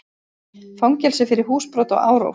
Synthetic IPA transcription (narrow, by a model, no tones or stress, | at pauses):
fawŋcɛlsɪfɪɾɪɾ̥ɦuːspɾɔwt̪ɔ̰ɣa̰ːwɾo̰w